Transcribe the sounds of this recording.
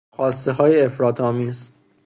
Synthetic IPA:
xɒːst̪e̞ɦɒːjeefɾɒːt̪ʰɒːmiːz

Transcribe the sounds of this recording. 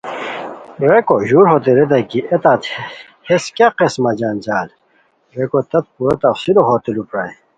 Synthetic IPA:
ɾekoʑuɾɦoːt̪eɾed̪ɐkiet̪at̪ | heskaqesmɐd͡ʑaːnd͡ʑaːl | ɾekot̪ɐt̪̚puɾɐt̪ɐfsid̪oɦoːt̪ilupɾaj

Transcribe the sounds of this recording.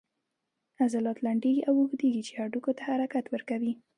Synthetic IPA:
azalɑt̪laɳɖeɡiʔawuɡd̪eɡit͡ʃeaɖukot̪ahaɾakat̪wəɾkawi

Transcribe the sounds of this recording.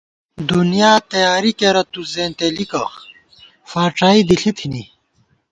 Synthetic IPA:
d̪unijaːt̪ɐjaːɾikeɾɐt̪uzeːnt̪elikɐ | faːʈ͡ʂaːid̪iɬit̪ʰini

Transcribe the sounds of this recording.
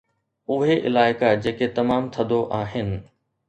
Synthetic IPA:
ʊɦeʔɪlaːɪkad͡ʑeːket̪ɐmaːmt̪ʰɐd̪oʔaːɦɪnɪ̆

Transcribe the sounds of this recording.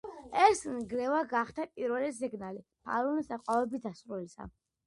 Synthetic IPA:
ɛsnɡlɛvaɡaχt̪ʰapʼiɾvɛlɛs̬iɡnalipʰa̰lɔnisaqʼavɛbid̪asɾulisa̰

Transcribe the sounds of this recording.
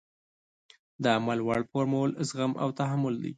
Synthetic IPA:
d̪əamalwaɽpoɾmolzɣamʔa̰wt̪aɦamːʊld̪a̰j

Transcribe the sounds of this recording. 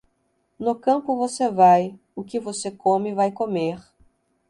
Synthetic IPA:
nʊkɐ̃mpʊvosevaj | ʊkɪvosekõmɪvajkomeɾ

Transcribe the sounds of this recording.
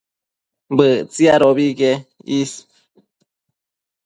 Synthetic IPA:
bət͡siaɾoβiɡeis

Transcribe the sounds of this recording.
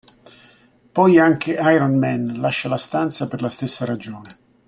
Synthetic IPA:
pɔjaŋkeʔajɾɔnmɛnlaʃːalast̪ant̪saperlast̪esːaɾad͡ʒoːne

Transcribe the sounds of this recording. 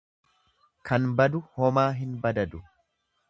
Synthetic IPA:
kɐnbɐd̪ʊhɔmaːɦɪnbɐd̪ɐd̪ʊ

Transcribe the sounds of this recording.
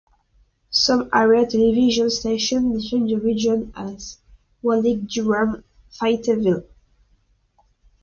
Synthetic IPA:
sʌ̃maɹiətʰɛlɛviʒɔ̃nsteʃɔ̃nbɪtĩnðəɹid͡ʒɔ̃naz | wɔliɡ̚duɹãm | faɪtʰəvil

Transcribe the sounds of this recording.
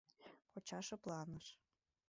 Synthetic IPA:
pot͡ɕɑʃɤ̆plɑnəʃ

